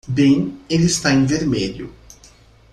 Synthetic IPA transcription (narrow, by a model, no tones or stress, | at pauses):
bẽj̃elɪst̪aẽŋveɾmeʎʊ̰